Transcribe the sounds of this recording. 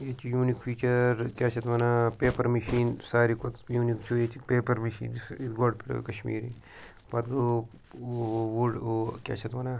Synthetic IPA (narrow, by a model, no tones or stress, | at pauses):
jeːt͡ʃijuːnikfʰiːt͡ʃɐɾkʲaːt͡ʃɐt̪ʋɐnaːpeːpɐɾmiʃiːnsaːɾikot̪juːnikt͡ʃʰoet͡ʃipeːpɐɾmɐʃḭːnsit̪ɡoːɖpʰiʈo̰kɐʃmḭːɾi | pɐt̪ɡo | ʋoɖokʲa̰ːt͡ʃɐt̪ʋɐna